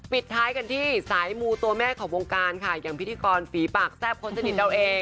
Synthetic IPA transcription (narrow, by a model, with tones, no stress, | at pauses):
pi˨˩t̪ʰːaː˦jka˧nt̪ʰiː˥˩saː˩˦jmuː˧t̪u˧ɐmɛː˥˩kʰɔː˩˦ŋwo˧ŋkaː˧nkʰa˥˩jaː˨˩ŋpʰi˦t̪ʰiː˧kɔː˧nfiː˩˦paː˨˩k̚sɛː˥˩p̚kʰo˧nsa˧ni˨˩t̪̚da˧wʔeː˧ŋ